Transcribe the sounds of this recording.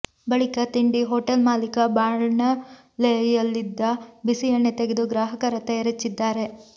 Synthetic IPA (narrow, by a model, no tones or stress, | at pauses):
bɐɭikɐt̪iɳɖiɦoːʈɐlmaːlikɐbaːɾɳɐ | lejɐlːid̪ːɐbisijɐɳːet̪eɡed̪uɡɾaːɦɐkɐɾɐt̪ɐjɐɾɐt͡ʃːid̪ːaːɾe̞